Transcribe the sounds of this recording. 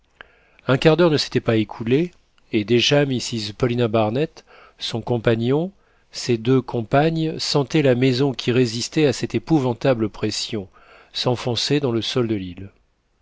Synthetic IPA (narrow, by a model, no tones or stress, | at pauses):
ɛ̃kʲaʁd̪œʁnəse̥t̪ɛpaekʰuleː | d̪eʒamisizpɔlinabaʁnɛt̪ | sɔ̃kɔ̃paɲɔ̃ | sed̪økʰɔ̃paɲsɑ̃t̪ɛlamezɔ̃kʲʰiʁezist̪ɛasɛt̪epuvɑ̃t̪abləpχesjɔ̃ | sɑ̃fɔ̃sed̪ɑ̃ləsɔld̪əlil